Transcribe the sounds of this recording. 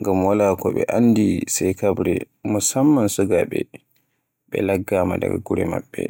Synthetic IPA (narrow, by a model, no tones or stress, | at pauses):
ŋɡamwalakɔɓɛ̰ʔanːdisajkabɾɛ | mɔsamːansuɡaɓɛ | ɓɛlaɡːaːmada̰ɡaɡuɾɛmaɓːɛ̰